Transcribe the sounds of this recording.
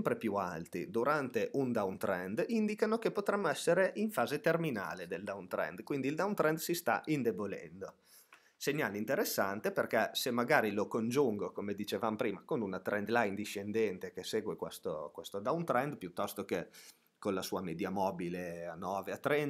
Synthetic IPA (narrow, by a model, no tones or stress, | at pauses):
mpɾepjua̰lt̪ḭd̪uɾant̪eʔund̪awnt̪ɾɛnd̪ind̪ikanokepot̪ɾɛmːoɛsːeɾeʔiɱfaːzet̪ermina̰ːled̪eld̪awnt̪ɾɛ̰nd̪kwind̪iːld̪awnt̪ɾɛnd̪sist̪a̰ʔind̪ebolɛ̰nd̪o | seɲːa̰ːleint̪eɾesːa̰nt̪eperkɛsemːaɡaːɾilokond͡ʒuŋɡokomed̪it͡ʃevamopɾiːmakonunat̪ɾʔɛnd̪lajind̪iʃːend̪ɛnt̪ekeseːɡwekwest̪o̰kwest̪od̪awnt̪ɾɛnd̪pjut̪ːɔst̪oke | konlasuːamed̪jamɔbileanːɔːveat̪ːɾɛn